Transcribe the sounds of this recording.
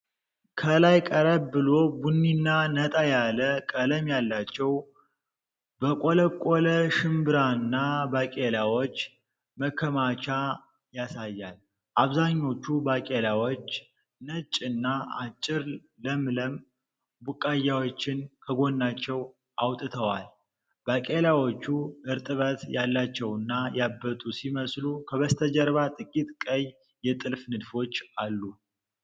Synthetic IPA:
kʰəlajkʼəɾəbbɨlo̞bunːinːanət̪ʼajaləkʼələmjalːat͡ʃːɛw | bəkʼoləkʼːoləʃɨmbɨɾanːabakʼelawot͡ʃː | məkʰːəmat͡ʃa | jasajːal | ʔaβzaɲːo̞t͡ʃːubakʼelawo̞t͡ʃː | nət͡ʃʼɨnːaa̰t͡ʃʼːɪɾ | ləmləm | bukʼːajːawot͡ʃːɪnkʰəɡo̞nːat͡ʃːɛw | awt̪ʼɨt̪ʰəwal | bakʼelawo̞t͡ʃːuɨɾt̪ʼɨβət̪jalːat͡ʃːɛwɨnːajabːət̪ʼusiməslukʰəβəst̪ʰəd͡ʒəɾβat̪ʼɨkʼit̪ʼkʼəɲ | jɛt̪ʼɨlfnɨd̪fo̞t͡ʃːalːu

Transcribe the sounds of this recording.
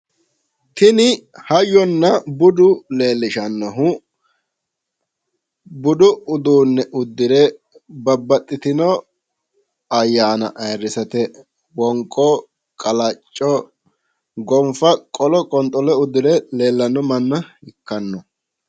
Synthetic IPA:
t̪ɪnɪhɐjɔnːɐbʊd̪ʊle̞ːlːɪʃɐnːɔɦʊ | bʊd̪ʊʊd̪uːnːɛʔʊd̪ːɪɾɛ | bɐbːɐt̪ʼːɪt̪ɪnɔ | ɐjːaːnɐ̰ʔɐjrːɪsɐt̪ɛ | wɔŋkʼːɔ | kʼɐlɐt͡ʃʼːɔ | ɡɔmfɐkʼɔlɔkʼɔnt̪ʼɔlɛʊd̪ɪɾɛle̞ːlːɐnːɔmɐnːɐɪkːɐnːɔ

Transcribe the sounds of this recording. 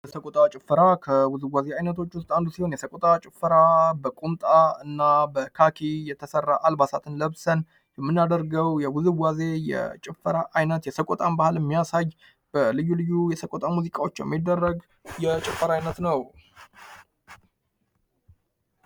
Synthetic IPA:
bəsəkʼot̪ʼat͡ʃʼɪfːəɾakʰəwuzɨɡwazeajnət̪ʰo̞t͡ʃːwʊst̪ʼand̪usiho̞njɛsəkʼot̪ʼat͡ʃʼɪfːəɾabəkʼumt̪ʼaɨnːabəkʰakʰijɛt̪ʰəsərːaʔalbasat̪ʰɨnləβsən | jɛmːɨnːad̪əɾɡəwjɛwuzɨɡaze̞jɛ̰t͡ʃʼɪfːəɾaʔajnət̪jɛsəkʼot̪ʼambahɨljɛmːijasaj | b̥əlɨjːulɨjːujɛsəkʼot̪ʼamuzikʼawot͡ʃːɛjɛ̰mːid̪ːərːəɡ | jɛt͡ʃʼɪfːəɾajnət̪nəw

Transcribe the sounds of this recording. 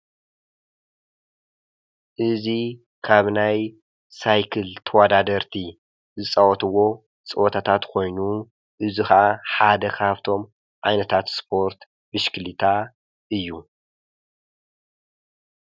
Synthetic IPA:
ʔɨzi | kʰaβnaj | sajkʰɨlt̪ʰɐwad̪ad̪ɐɾt̪ʰi | zɨt͡sʼawɔt̪ʰɨwo̞ | t͡sʼɨwɔt̪ʰat̪ʰat̪kʰo̞jnu | ʔɨzixɐʔaħad̪ɐkʰaβt̪ʰo̞m | ʕajnɐt̪ʰat̪spʰo̞ɾt̪ | bɨʃkʰlit̪ʰa | ʔɨjːu

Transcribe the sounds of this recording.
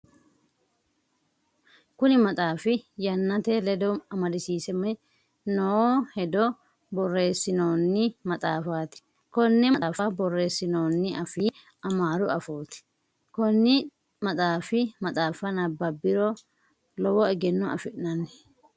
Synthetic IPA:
kʊnɪmɐt̪ʼaːfɪjɐnːɐt̪ɛlɛd̪ɔɐmɐd̪ɪsiːsɛmɛ | nohɛd̪ɔ | bɔrːe̞ːsːɪnoːnːɪmɐt̪ʼaːfaːt̪ɪ̥ | kɔnːɪmɐtʼaːfɐbɔrːe̞ːsːɪnoːnːɪʔɐfɪ | ɐmaːɾʊɐfoːt̪ɪ̥ | kɔnːɪ | mɐt̪ʼaːfɪmɐt̪ʼaːfɐnɐbːɐbɪɾɔ | lɔwɔɛɡɛnːɔɐ̰fɪʔnɐnːɪ̥

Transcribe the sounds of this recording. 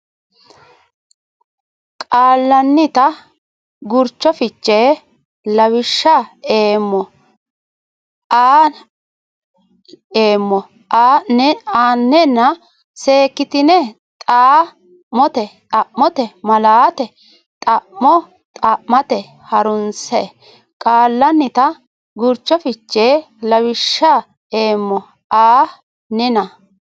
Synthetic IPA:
kʼaːlːɐnːɪt̪ɐ | ɡʊɾt͡ʃːɔfɪt͡ʃːe | lɐwɪʃːɐeːmːɔ | ʔaːn | eːmːɔ | aɛaːnːɛnːɐ | se̞ːkːɪt̪ɪnɛt̪ʼaː | mɔt̪ɛt̪ʼɐʔmɔt̪ɛmɐlaːt̪ɛ | t̪ʼɐʔmɔ | t̪ʼɐʔmɐt̪ɛ | hɐɾʊnsɛ | kʼaːlːɐnːɪt̪ɐ | ɡʊɾt͡ʃːɔfɪt͡ʃːeː | lɐwɪʃːa | eːmːɔ | aː | nɪnɐ

